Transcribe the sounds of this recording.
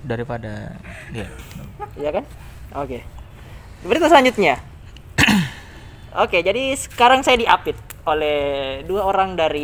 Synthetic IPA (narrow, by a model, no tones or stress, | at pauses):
daɾipada̰ijaijakan | oke | bəɾit̪wasəlaɲd͡ʒut̪̚ɲa | oked͡ʒadisə̥kaɾaŋsajadiʔapɪt̪̚olɛhduaoɾaŋdaɾi